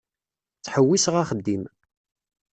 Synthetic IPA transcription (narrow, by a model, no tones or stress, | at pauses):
t͡sːħəwːisʁaχəd̪ːim